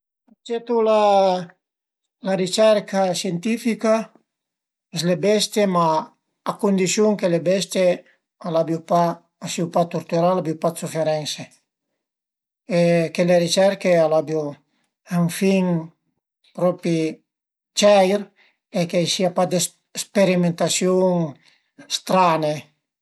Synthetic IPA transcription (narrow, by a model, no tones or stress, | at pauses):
at͡ʃet̪ula | larit͡ʃɛɾkasjent̪ifika | eslebɛst̪jemaː | kund̪isjuŋkelebɛst̪je | alabjupa | asiupat̪oɾt̪uɾalabjupat̪sufeɾɛnse | ekeleɾit͡ʃɛɾkealabju | aɱfiŋ | pɾɔpi | t͡ʃɛjɾ | ekejsiapad̪es | speɾimẽnt̪asjoŋ | st̪ɾane